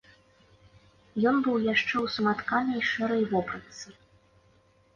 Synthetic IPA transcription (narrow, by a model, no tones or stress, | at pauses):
jɔnbɨwjaʂt͡ʂɛwsɐmat̪kanɐjʂɛɾɐjvɔpɾɐt̪sɨ